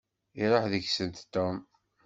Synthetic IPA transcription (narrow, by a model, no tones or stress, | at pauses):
iɾˤɑħðəçsənt̪t̪ːom